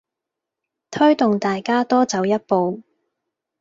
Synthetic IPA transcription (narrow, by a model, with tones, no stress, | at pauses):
t̪ʰɵ˥ɥt̪ʊ˨ŋt̪aː˨jkaː˥t̪ɔː˥t͡sɐ˨˧wjɐ˥t̚po˨˧w